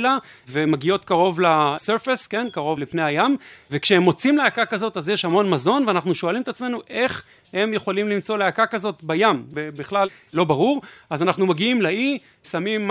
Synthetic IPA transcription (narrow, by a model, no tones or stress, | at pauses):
la | vemaɡio̞t̪kaʁo̞vlaseʁfeske̞nkaʁo̞vlepnejajamvekʃeemo̞t͡simleakakazo̞t̪azjeʃhamo̞nmazo̞nveanaχnuʃoalimet̪at͡sme̞nuʔe̞χ | he̞mjeχolimlimt͡so̞leakakazo̞t̪bajamvebiχlal | lo̞baʁuʁazanaχnumaɡiimlai | samimː